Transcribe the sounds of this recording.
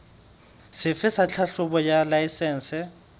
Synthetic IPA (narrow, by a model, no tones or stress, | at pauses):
sɪfɪsat͡ɬʰaɬʊbɔjalaisɛːn̩sɛ